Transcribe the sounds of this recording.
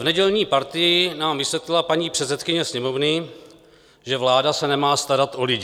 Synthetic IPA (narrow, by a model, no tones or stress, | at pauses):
vnɛɟɛlɲiːpaɾt̪ɪjɪnaːmvɪsvjɛt̪lɪlapaɲiːpr̥ɛt̪sɛt̪kɪɲɛsɲɛmo̞vnɪ | ʒɛvlaːdasɛnɛmaːst̪aɾat̪ʔolɪɟɪ